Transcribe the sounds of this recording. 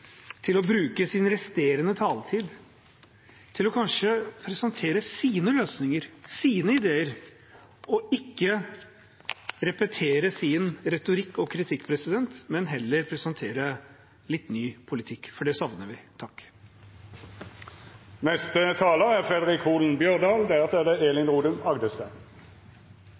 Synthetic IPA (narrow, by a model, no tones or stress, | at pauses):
t̪ʰɪlɔbɾʉːkəsɪnɾɛst̪eːɾənət̪ʰɑːlt̪ʰiːd̪ | t̪ʰɪlɔkʰɑnʂəpʰɾɛsɑnt̪ʰeːɾəsiːnəløːsnɪŋəɾsiːnəɪd̪eːəɾ | ɔɪkːə | ɾɛpət̪ʰeːɾəsɪnɾɛt̪ʊɾɪkːɔkʰɾɪt̪ʰɪkːpʰɾɛsɪd̪ɛnt̪mɛnɦɛlːəɾpʰɾɛsɑnt̪ʰeːɾə | lɪt̪ːnyːpʰʊlɪt̪ʰɪkːfɔɖɛsɑʋnəʋɪt̪ʰɑkː | nɛst̪ət̪ʰɑːləʁæʁfʁɛd̪əʁɪkʰuːln̩bjœʁd̪ɑːld̪æʁsɛːd̪ɛeːlɪŋʁuːd̪ʉmɑɡd̪əspɛ̰n